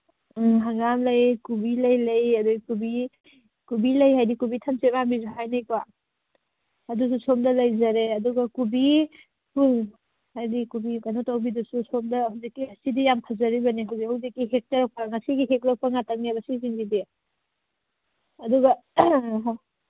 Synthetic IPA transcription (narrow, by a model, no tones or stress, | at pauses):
ɦaŋamlɐjkubilɐjlɐjɐduɡikubi | kubilɐjɦajdikubitʰansemambizuɦajnajkwa | ɐdususomdɐlɐjzɐɾeɐduɡɐkubi | pul | hajdikubikanotawbidususomdɐhawzikːihasidijamkʰazɐɾibɐniɦawzikhawzikːiɦek̚talak̚pɐŋɐsiɡiɦek̚lak̚pɐŋatʰaŋ̚nebɐsiziŋɡidi | ɐduɡɐ